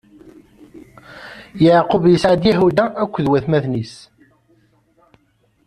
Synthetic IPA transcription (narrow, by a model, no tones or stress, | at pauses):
jəʕqʊvjəsʕad̪jæɦud̪æʔækʷːðwæθmæðnis